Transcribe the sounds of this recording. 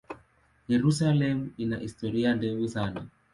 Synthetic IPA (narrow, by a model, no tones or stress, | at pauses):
jeɾusalɛmuinaʔistɔɾijandɛwisana